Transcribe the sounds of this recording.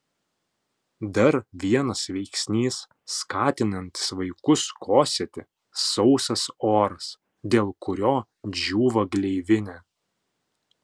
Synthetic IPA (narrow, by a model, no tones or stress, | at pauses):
d̪ɐɾʋʲiɛnɐsʋʲɛɪksʲnʲiːsː | kɑːt̪ʲɪnɐnʲt̪ʲɪ̥sʋɐɪkʊskʰoːsʲɛt̪ʲɪ | sɔʊsɐsoːɾɐs | d̪ʲeːlˠkʊɾʲoː | d͡ʒʲuːʋɐɡlʲɛɪʋʲɪnʲɛ